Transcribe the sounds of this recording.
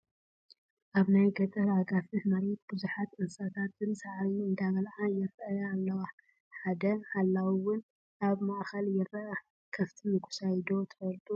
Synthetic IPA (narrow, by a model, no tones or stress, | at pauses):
ʔaβnajɡɐt̪ʼɐɾaɡafɨhmaɾɛt̪̚b̥ɨzuħat̪ʔɨnsat̪ʰat̪ɨnsaʕaβiɨnd̪aβɐlʕajɪɾjːlːɐwa | ħad̪ɐħalːawiwʊn | ʔaβmaʔxɐljɪrɐʔ | kʰɐft̪ʰijɪkʰu̥sajd̪ot̪ʰɨ̥fɐlt̪ʼu